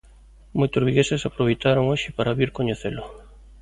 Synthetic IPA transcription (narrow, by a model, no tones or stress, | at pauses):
mojt̪ozβiɣesesapɾoβ̞ejt̪aɾoŋoʃɪpaɾaβiɾkoɲeθelʊ